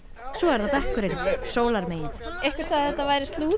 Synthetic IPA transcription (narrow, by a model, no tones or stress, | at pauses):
sɔɛɾðapɛhkʏɾɪnsoːwlaɾmeːjɪnɪ̥ejhkvaɾ̥saðɪθɛht̪ːavaːjɾɪst̪luː